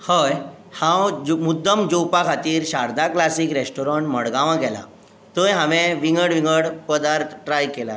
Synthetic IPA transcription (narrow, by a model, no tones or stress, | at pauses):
həj | hãwd͡ʑmud̪ːəmd͡ʑowpakʰat̪iːɾɕaɾd̪aklasiːkɾesʈoɾɔɳʈməɽɡãʋãɡɛla̰ | t̪əjɦãʋẽʋiŋɡəɽʋiŋɡəɽpəd̪aɾt̪ʰʈɾajkɛla̰